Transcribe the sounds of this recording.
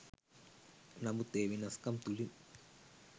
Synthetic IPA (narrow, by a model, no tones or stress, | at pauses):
nɐmut̪eːʋinɐskɐmt̪ulin